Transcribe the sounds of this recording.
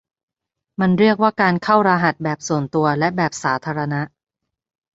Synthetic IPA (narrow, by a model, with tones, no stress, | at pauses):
ma˧nɾi˥˩ək̚waː˥˩kaː˧nkʰa˥˩wɾaː˧ɦa˨˩t̪̚bɛː˨˩p̚su˨˩ənt̪u˧ɐlɛ˦˥bɛː˨˩p̚saː˩˦t̪ʰaː˧ɾa˧na˦˥ʔ